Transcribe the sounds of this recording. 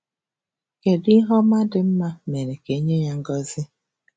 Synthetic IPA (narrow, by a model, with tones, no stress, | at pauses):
ke˨di˦ɦɔ˦ma˦dɪ˨m̩˦ma˦me˨ɾe˨ke˨˦ɲe˦ja˦ŋ̩˦ɡɔ˦zɪ˦